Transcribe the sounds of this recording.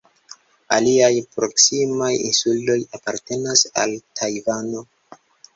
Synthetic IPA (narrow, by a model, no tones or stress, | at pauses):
aliajpɾo̞ksimajḭnsulto̞japaɾte̞nasa̰ltʰajvano̞